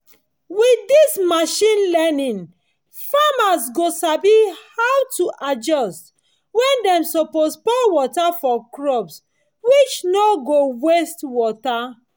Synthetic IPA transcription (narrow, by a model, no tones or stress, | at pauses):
widismaʃĩnlɛnĩn | famasɡosabihawtuʔad͡ʒɔst | wɛ̃ndɛ̃msɔpospɔwɔtafɔkɹɔbs | wit͡ʃnɔɡowestwɔta